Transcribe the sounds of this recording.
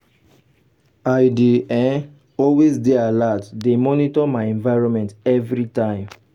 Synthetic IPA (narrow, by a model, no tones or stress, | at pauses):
aɪdeɛ̃n | ɔlwezdealatdemɔnitɔmaɪɛ̃nvaɪɹɔ̃nmɛ̃ntɛvɹitãɪ̃m